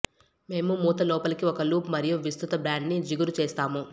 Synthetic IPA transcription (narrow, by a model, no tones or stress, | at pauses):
me̞ːmumuːt̪ɐlɔːpɐlikiɔkɐluːpmɐɾijuʋist̪ut̪ɐbɾaːɳɖnid͡ʒiɡuɾut͡ʃeːst̪aːmu